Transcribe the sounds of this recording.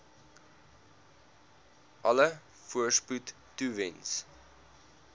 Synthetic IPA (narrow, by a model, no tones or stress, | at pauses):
ʔɐlə | fuəsputːuvɛns